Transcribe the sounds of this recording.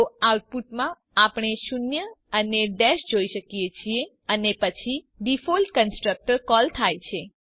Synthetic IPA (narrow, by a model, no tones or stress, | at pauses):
oawʈ̚puʈmã | apɳ̃eʃunjəəneɖɛʃd͡ʒoiʃəkijet͡ʃʰie | ənepət͡ʃʰi | ɖifolʈkənsʈɾək̚ʈəɾkɔlt̪ʰajt͡ʃʰe